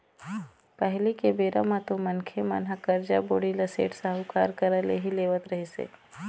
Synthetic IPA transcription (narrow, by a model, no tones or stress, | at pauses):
pɛɦlikebeːɾamãt̪omɐnkʰema̰nɦakəɾd͡ʒaboːɽilɐsḛːʈsaɦʊkaːɾkəɾəleɦileːʋət̪ɾɐɦesḛː